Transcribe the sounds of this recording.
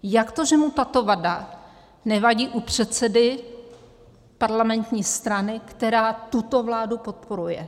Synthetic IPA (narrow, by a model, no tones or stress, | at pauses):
jakt̪o̞ʒɛmut̪at̪o̞vada | nɛvaɟiːʔupr̝̥ɛt̪t͡sɛdɪ | paɾlamɛnt̪ɲiːst̪ɾanɪkt̪ɛɾaːt̪ut̪o̞vlaːdupo̞t̪̚po̞ɾujɛ